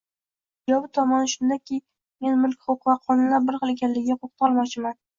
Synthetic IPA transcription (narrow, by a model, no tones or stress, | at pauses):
d͡ʒɒbɪt̪ʰɒmɒnʃʊnd̪akʲɪ | me̞nmʊlˠkʲχoqvaqʰɒnɪnlaɾbɪɾqɨlˠeɡʲanlːɪɡʲɡʲaqʰoqt̪ʰɒlˠmɒt͡ʃʰɪman